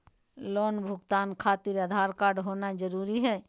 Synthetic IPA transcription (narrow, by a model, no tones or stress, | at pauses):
loːnbʱʊɡt̪aːnkʰaːt̪ɪɾəd̪ʱaːɾkaːɾɖɦoːnad͡ʒəɾuːɾiɦɛː